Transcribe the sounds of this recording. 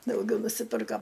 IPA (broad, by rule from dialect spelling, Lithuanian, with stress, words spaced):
dɐʊˈɡʲɛʊ nʊsʲɪˈpʲɪrkɐ